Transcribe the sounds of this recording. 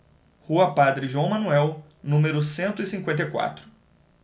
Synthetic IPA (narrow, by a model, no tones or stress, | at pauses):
huɐpad̪ɾɪʒuɐ̃w̃mɐ̃nuɛw | nũmeɾʊsẽnt̪ʊisĩŋkwẽnt̪̬ejkwa̰t̪ɾʊ